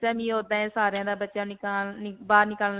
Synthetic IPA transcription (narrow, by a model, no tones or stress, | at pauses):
tɛːmĩːoːd̪ãːẽːsaːɾejãːd̪aːbətːʃaːɪkːbaːɾnɪkəl